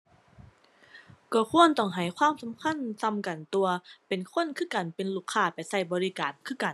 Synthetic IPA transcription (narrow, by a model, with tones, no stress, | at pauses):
kɔː˧˩kʰu˧˥˨ənt̪ɔ˧˩ŋɦa˨˧˩jkʰwaː˧˥˨msa˨˦mkʰa˧˥˨nsa˧˥˨mka˨˩nt̪u˧ɐpe˨nkʰo˧˥˨nkʰɯː˥˨ka˨˩npe˨nluː˧˩kʰːaː˧˩pa˨˩jsa˧˩jbɔː˨˧ɾi˧kaː˨˩nkʰɯː˧˥˩ka˨˩n